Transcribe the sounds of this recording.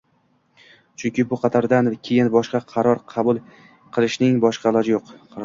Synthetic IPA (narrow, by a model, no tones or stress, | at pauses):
t͡ʃʰʊŋkʲʰɪbʊqʰɑt̪ʰaɾd̪ankʲʰe̞jɪnbɒʃqɑqʰɑɾɒɾqʰɑbʊlˠ | qʰɨlˠɪʃnɪŋbɒʃqɑlˠɒd͡ʒɪjoqq